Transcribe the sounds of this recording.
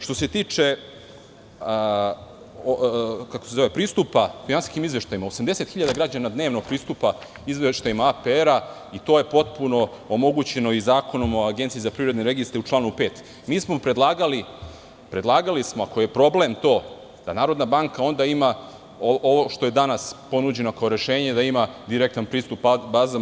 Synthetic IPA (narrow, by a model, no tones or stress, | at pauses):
ʃt̪o̞se̞t̪iːt͡ʂe̞ | okakose̞zo̞ʋe̞pɾiːst̪upafinansi̥skimizʋe̞ʃt̪ajimaosamd̪e̞se̞t̪xiʎad̪aɡɾad͡ʑanad̪ne̞ːʋnoɡ̚pɾiːst̪upa | izʋeʃt̪aimaapeɾa | it̪o̞ːje̞po̞t̪̚puno̞ | omo̞ɡut͡ɕe̞no̞izaːko̞no̞mo̞aɡnt̪izapɾiʋɾed̪neɾe̞ɡist̪ɾeut͡ʃlaːnupe̞ːt̪ | miːsmo̞pɾe̞d̪lˠaːɡali | pɾed̪lˠaːɡalismoako̞je̞pɾo̞ble̞mt̪o̞ː | d̪̥a̰naːɾo̞d̪nabaŋkao̞nd̪aima | ooʋoʃt̪o̞je̞d̪anaspo̞nud͡ʑe̞no̞kaoɾe̞ʃe̞ːɲe̞d̪aimad̪iɾek̚t̪anpɾiːst̪upbbaːza